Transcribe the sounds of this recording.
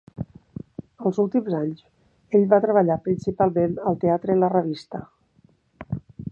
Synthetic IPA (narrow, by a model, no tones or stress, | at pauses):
əlˠzulˠt̪imzaɲz | eʎβat̪ɾəβəʎapɾinsipalˠmenəlˠt̪eat̪ɾələrəβ̞ist̪ə